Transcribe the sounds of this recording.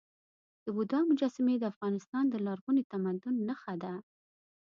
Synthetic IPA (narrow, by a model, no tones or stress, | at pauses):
d̪̥əbʊd̪ɑmʊd͡ʒɑsɪmed̪əafɣɑnɪst̪ɑnd̪əlɑɾɡunit̪amad̪ʊnːaxad̪a